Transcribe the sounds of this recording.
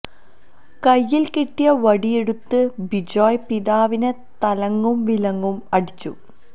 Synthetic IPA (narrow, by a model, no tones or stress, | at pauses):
kɐjːilkiʈːijɐʋɐɽijeɽut̪ːɨbid͡ʑoːjpiðaːʋinɨ | t̪ɐlɐŋːumʋilɐŋːumɐɽit͡ɕːṵ